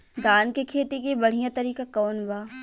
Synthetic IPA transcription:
d̪ʱaːnkekʰeːt̪ikibɐɽ̤ijãt̪ɐɾiːkakɔːnbaː

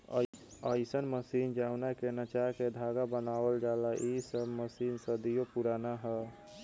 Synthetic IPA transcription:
əɪsənməsiːnd͡ʒaʊnakenat͡ʃaɦked̪ʱaɡabənaːwəld͡ʒalaʔisəbməsiːnsəd̪ijopuɾaːnaɦɛ

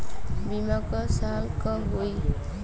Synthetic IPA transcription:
bimakʌsalkʌɦoj

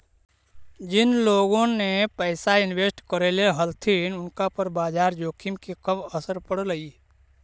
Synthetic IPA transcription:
d͡ʒɪnloːɡõnepəɪsaɪnweːsʈkəɾeleɦəlt̪ʰinʊnkapəɾbaːd͡ʒaːɾd͡ʒoːkʰɪmkikəbəsəɾpəɽləiː

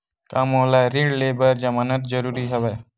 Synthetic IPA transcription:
kamoːlaɾiːɖleːbəɾd͡ʒɐmaːnət̪̚d͡ʒəɾuːɾiɦəʋe

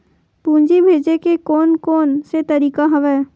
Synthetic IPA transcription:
pũːɲd͡ʒibʱeːd͡ʒekekɔːnkɔːnset̪ɐɾiːkaɦɐʋɛː

